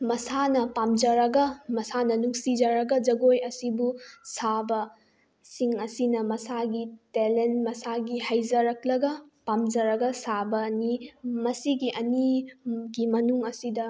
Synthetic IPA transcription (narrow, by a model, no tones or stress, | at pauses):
mɐsanɐpamd͡ʒɐɾɐɡɐmɐsanɐnuŋsid͡ʒɐɾɐɡɐd͡ʒɐɡojɐsibusabɐ | siŋɐsinɐmɐsaɡitelenmɐsaɡihajd͡ʒɐɾɐklɐɡɐpamd͡ʒɐɾɐɡɐsabɐnimɐsiɡiʔɐniɡimɐnuŋɐsidɐ